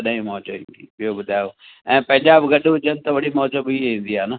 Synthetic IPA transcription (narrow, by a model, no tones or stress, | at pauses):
ɐɗːɦĩmɔɦt͡ɕəḭ̃ːnd̪ibɪjobʊd̪ʱaːjo | ɛ̃ːpɐ̃ɦɪ̃ɲd͡ʑaːbɪɡɐɗɦʊd͡ʒənɪt̪ɐʋɐɽimɔːd͡ʒəbiɦĩːnd̪iaːnɐ